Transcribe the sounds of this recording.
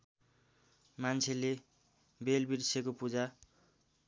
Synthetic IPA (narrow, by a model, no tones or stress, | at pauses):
mant͡sʰele | belbirsʰekopud͡za